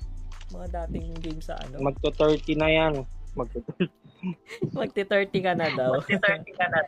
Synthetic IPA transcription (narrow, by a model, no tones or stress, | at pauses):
mɐŋad̪aːt̪ɪŋɡejmsɐ̰ʔɐ̰nomɐɡ̚t̪ot̪ɛɹt̪ɪnɐjanmɐɡ̚t̪ɛt̪ɛɹt̪ | mɐɡ̚t̪ɪt̪ɛɹt̪ɪkɐnɐd̪ɐwt̪ɛt̪ikɐnɐ